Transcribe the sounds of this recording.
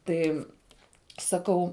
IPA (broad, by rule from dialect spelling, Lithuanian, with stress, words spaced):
ˈtɐɪ sɐˈkɐʊ